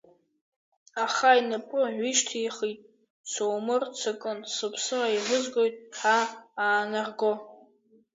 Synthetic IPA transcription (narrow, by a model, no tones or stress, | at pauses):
aχainɨpʼʊʕʷiʃtʰiːχitʼ | t͡sʰoːmɨrt͡sʰɨkʼɨnsɨpʰsɨraiʁʷʊzɡʷo̞jtʼħaaːnaʁɡo